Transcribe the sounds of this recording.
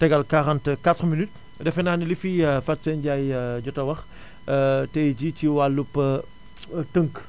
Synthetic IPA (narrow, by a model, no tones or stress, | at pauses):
tɛɡɐlkaɾɐntkatχminyt̚ | dɛfɛnaːnilififɐtsɛnɟajɟɔtɐwɐx | tɛjd͡ʒitiwalːupːə | təŋk